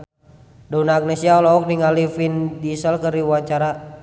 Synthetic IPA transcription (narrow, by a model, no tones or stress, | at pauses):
daunaɡ̚nɛsiaɔlɔɔk̚niŋalifindisəlkəriwuaɲt͡ʃaɾa